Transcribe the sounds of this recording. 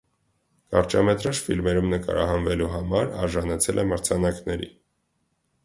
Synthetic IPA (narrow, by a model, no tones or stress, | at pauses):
kɑɾt͡ʃɑmɛt̪ɾɑʃfilmɛɾumnəkɑ̰ɾɑ̰ɦɑnvɛluɦɑmɑɾɑ̰ɾʒɑnɑt͡sʰɛlʔɛməɾt͡sʰɑnɑknɛɾḭ